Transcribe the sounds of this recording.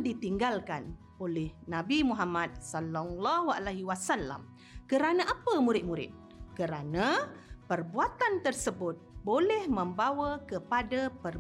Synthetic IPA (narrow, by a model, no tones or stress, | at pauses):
dit̪iŋɡalkan | olɛhnãbimuɦamad̪̚salːalːɑɦualahwasalːa̰m | kəɾanãʔapəmuɾɪt̪̚muɾɪ̰t̪̚ | kəɾanãpərbuat̪ant̪ərsəbʊt̪̚bolɛhmə̃mbawəkəpadapər